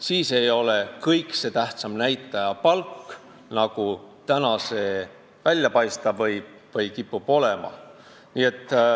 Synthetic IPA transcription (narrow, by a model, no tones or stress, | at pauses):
siːse̞jo̞le̞kɤjkse̞t̪æht̪sɑmnæjt̪ːˑɑjɑpɑlkː | nɑɡ̥ut̪ænɑse̞ː | vælʲjɑpɑjst̪ɑbvɤj | vɤjkipːub̥o̞lemɑ̰ | niːe̞t̪ːˑ